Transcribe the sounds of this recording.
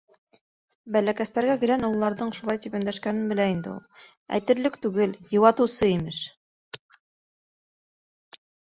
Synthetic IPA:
bælækæst̪æɾɡækɘ̆lænŏwˠlˠɑɾðɤɴʃulɑjt̪ipɵ̆nd̪æʃkænɘnbɘ̆læind̪ɘ̰̆ṵlˠ | æ̰jt̪ɘ̆ɾlɘkt̪ʉɡɘljɤ̆wɑt̪ɤ̆wsɤimɘʃ

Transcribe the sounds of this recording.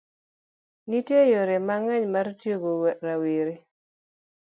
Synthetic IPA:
nitjejoɾemaŋɛɲmartjoɡoɾaweɾe

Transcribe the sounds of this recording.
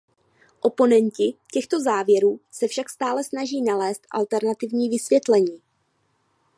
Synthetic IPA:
ʔo̞po̞nɛncɪcɛxt̪o̞zaːvjɛɾuːsɛfʃakst̪aːlɛsnaʒiːnalɛːst̪ʔa̰lt̪ɛɾnat̪ɪvɲiːvɪsvjɛt̪lɛɲiː

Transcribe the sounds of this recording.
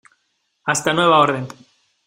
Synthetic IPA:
ast̪anwe̞β̞ao̞ɾðen

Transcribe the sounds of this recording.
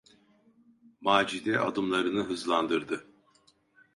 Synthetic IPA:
maːd͡ʒid̪ɛʔad̪ɯmlˠaɾɯnɯɦɯzlˠand̪ɯɾd̪ɯ

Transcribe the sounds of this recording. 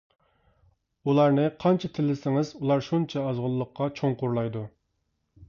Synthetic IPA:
ulˠɑɾnɨqʰɑnt͡ʃʰɑt̪ʰɪlːɪsɪŋɪzulˠɑɾʃunt͡ʃʰɑːzʁʊlˠːəqʰːɑt͡ʃʰoŋqʊɾlˠɑjd̪u

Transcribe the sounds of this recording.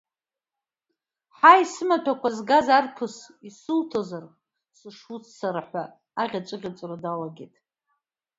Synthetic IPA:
ħaisɨmatʷʰakʷʰazɡazarpʰɨsisɨltʰozar | sɨʂut͡sʰsaɾaħʷa | aʁʲat͡ʃʷʼɨʁʲat͡sʼrodalaɡʲetʼ

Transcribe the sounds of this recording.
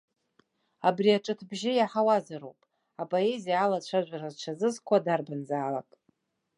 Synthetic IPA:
abriaʈ͡ʂʼɨtʰbʒɪjaħawazaɾowpʼ | apʼo̞e̞zijaːlat͡ʃʷʰaʒᶣʷarazt͡ʃʷʰazɨzkʷʰadarbanzaːla̰kʼ

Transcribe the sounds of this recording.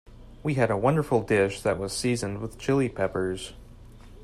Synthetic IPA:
wiɨɾəwʌ̃ndə˞fl̩ˠdɪʃðɨʔ̚wʌz̥sizɨ̃nd̚wəð̥t͡ʃʰɪlˠipʰɛpə˞z̥

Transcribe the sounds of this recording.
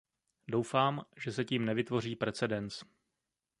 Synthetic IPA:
do̞wfaːmʒɛsɛciːmnɛvɪt̪vo̞riːpɾɛt͡sɛdɛnt͡s

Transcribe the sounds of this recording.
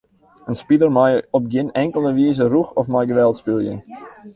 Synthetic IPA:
ənspidərmajɔp̚ɡɪnɛŋkəlˠəʋiːzəruxɔfmajɡəʋɛlˠtspilˠjə̰n

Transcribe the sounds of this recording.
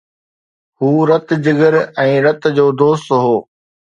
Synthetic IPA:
huːɾɐt̪d͡ʑɪɡəɾɛ̃ːɾɐt̪d͡ʑoːd̪oːst̪ɦoː

